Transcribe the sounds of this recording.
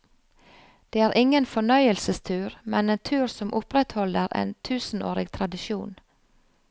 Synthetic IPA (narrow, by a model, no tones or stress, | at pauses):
d̪̥eːæːɾʔɪŋənfɔɳœʏəlsəst̪ʰʉːɾmɛneːnt̪ʰʉːɾsɔmʔʊpɾɛt̪hɔləɾḛːnt̪ʰʉːsn̩o̰ːɾɪɡt̪ʰɾɑd̪ɪʃuːn